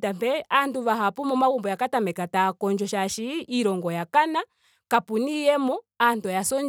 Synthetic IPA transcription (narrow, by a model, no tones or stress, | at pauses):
tambɛanduβaɦapumɔmaɣumbɔjakatamɛkatakɔnɲd͡ʒɔʃaʃiiɾɔŋɡɔjakana | kapunijɛmɔandɔjasɔɲ